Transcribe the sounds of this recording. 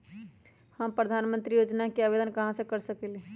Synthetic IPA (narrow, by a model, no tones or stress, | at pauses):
həmpɾəd̪ʱanmənt̪ɾijod͡ʒnakeabed̪ənkəɦãsə̃kəɾsəkɛli